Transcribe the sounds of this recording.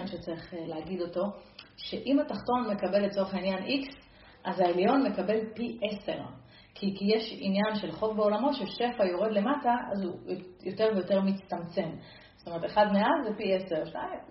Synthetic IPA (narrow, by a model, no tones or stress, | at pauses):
nʃet͡saʁiχleaɡido̞to̞ʃe̞ʔimataχto̞nme̞kabe̞let͡soeχainjaniks | ʔazaeljo̞nme̞kabe̞lpiʔesḛʁ | kʰikijeʃinjanʃe̞lχo̞vbeo̞lamo̞tʃeʃe̞fajo̞ʁe̞dle̞mataʔa̰zujjo̞te̞ʁvejo̞te̞ʁmit͡st̪amt͡se̞m | z̥tome̞ʁteχad̪meazzːepieseʁʃna̰im